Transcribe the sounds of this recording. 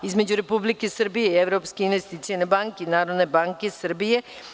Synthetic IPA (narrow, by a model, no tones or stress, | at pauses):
izme̞d͡ʑuɾe̞publike̞sr̩bije̞ieʋɾo̞ːpskeinʋest̪iːt̪sijenebaŋkeinaːɾo̞d̪ne̞baːŋke̞sr̩bije̞